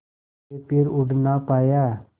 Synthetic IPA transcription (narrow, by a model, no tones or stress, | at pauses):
epɪɾʊɖnaːpaːjaː